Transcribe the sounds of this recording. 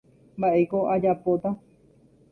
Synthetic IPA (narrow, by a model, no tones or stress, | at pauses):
mbaʔe̞koʔad͡ʒapot̪a